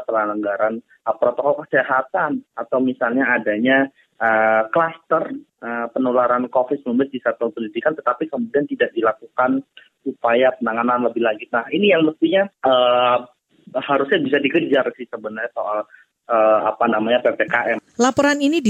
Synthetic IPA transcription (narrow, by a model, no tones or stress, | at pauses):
p̪əɾalaŋɡaɾan | əpɾot̪okɔlkəseɦat̪anat̪awmisalɲaːdaɲa | əklast̪ərəpənolaɾankofɪt̪̚əumbat̪̚disat̪ɔpənidikant̪ət̪apikəmudiant̪idaʔ̚dilakukan | upajapənaŋananləbɪhlaɡit̪nahinijaŋləst̪iɲaʔə | haɾusɲabis̬adikərd͡ʒarsɪhsəbənərɲasoʔal | əa̰panamaɲapepekaʔɛmlapoɾaninidi